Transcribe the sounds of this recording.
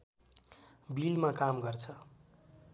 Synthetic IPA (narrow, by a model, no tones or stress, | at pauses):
bilmakamɡʌrt͡sʰʌ